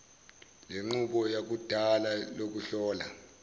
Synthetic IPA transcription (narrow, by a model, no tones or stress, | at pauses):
leŋ͡ǃuɓɔjak̬ud̥ʱalalok̬uɬɔːla